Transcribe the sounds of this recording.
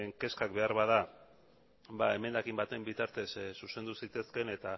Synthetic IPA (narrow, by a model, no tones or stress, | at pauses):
ŋke̞skakbe̞aɾβað̞a | bae̞me̞nd̪akimbat̪e̞mbit̪aɾt̪e̞ssuse̞nd̪usit̪e̞ske̞ne̞t̪a